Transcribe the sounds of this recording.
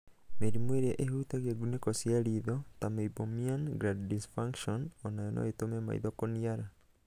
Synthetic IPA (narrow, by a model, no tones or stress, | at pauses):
meɾimweɾeʔehutaɣeɡunekɔsiaɾiðɔtameibomianɡɾaddisfaŋkʃɔnɔnajɔnɔ̰etomema̰ḭðɔkoniaɾa